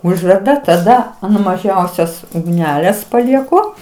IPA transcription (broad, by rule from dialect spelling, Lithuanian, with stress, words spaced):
ˈʊʒʲʋʲɛrdɐ tɐˈdɐ ɐn mɐˈʒʲɛʊsʲoːs ʊɡˈnʲæːlʲeːs pɐlʲiɛˈkʊ